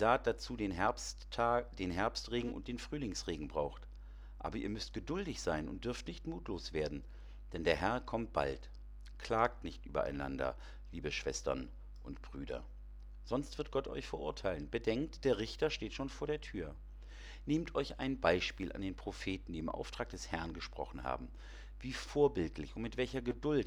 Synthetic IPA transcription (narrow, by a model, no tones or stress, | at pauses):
z̥aːt̚d̥at͡suːdeːnɦɛɐps | d̥eːnɦɛɐpstʁeːɡŋ̩ʊ̰nt̚d̥eːnfʁ̥yːlɪŋsʁeːɡŋ̩bʁaʊxt | ʔa̰ːbɐʔiːɐmʏstɡ̥ədʊldɪçz̥aɪnʊ̰nt̚d̥ʏɐftnɪçtmuːtʰloːsv̥eːɐdn̩ | d̥ɛndeːɐɦɛɐkʰɔmt̚b̥a̰lt | kʰl̥aːk̚tnɪçtʔy̰ːbɐ̰ʔa̰ɪna̰ndɐ̰ | liːbəʃv̥ɛstɐ̰n | ʔʊntb̥ʁyːdɐ̰ | z̥ɔnstv̥ɪɐt̚ɡ̥ɔtʰʔɔ̰ʏçfɛɐʔʊɐtʰaɪlənbədɛŋk̚td̥eːɐʁɪçtɐʃteːtʃoːnfoːɐɾeːɐtʰyːɐ | neːmtʰʔɔʏça̰ɪnbaɪʃpiːlʔa̰ndeːnpʁ̥ofeːtn̩diːɪmʔa̰ʊftʁ̥aːk̚d̥ɛshɛɐnɡəʃpʁ̥ɔ̰χn̩ha̰ːbm̩ | viːfoːɐbɪltlɪçʊntmɪtv̥ɛlçɐɡədʊlt